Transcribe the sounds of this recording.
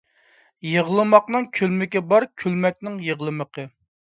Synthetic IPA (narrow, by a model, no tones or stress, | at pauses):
jəʁlˠɨmɑqnɨŋkʲʰølmɪkʲɛbɑɾkʲʰylmɛk̚ʲnɪŋjəʁlˠɨməqʰə